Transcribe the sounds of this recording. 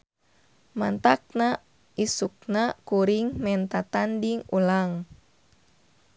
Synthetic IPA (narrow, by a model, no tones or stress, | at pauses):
mant̪ak̚na | isuk̚nakuɾiŋmɛnt̪at̪andiŋulaŋ